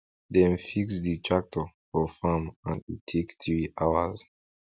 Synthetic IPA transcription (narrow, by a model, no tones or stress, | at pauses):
dɛ̃nfiksditʰɹak̚tʰɔfɔfamãnitʰekθɹiʔawa̰z